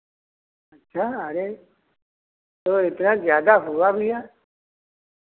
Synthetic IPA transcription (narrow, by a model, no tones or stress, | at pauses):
ətːʃʰaəɾe | t̪oɪt̪nazjaːd̪aɦʊabʱiɦaː